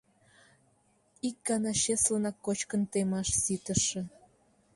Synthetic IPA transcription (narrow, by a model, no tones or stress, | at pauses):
ikːɑnɑɕeslənɑkːot͡ɕkənt̪emɑʃsit̪əʃĕ